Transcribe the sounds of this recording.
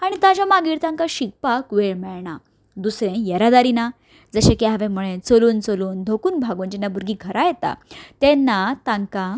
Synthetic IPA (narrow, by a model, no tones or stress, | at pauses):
aɽ̃it̪ad͡ʑamaɡiːɾt̪ãŋkaɕik̚pakʋeɭmɛɭɳa | d̪usɾẽjɛɾad̪aɾina | d͡zəɕẽkeɦaʋẽm̤uɭẽt͡səluːnt͡səluːnd̪ʱokuːnbʱaɡuːnd͡ʑɛnːabuɾɡiːɡʰʱəɾajɛt̪a̰t̪ɛnːat̪ãŋka